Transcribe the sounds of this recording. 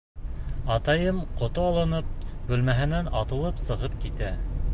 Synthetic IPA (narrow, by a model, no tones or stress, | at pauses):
ɑt̪ɑjɤmqŏt̪oɑlˠɤ̆nɤp̚bʉ̆lmæɦɘ̆nænɑt̪ɤ̆lˠɤpsɤ̆ʁɤp̚kit̪æ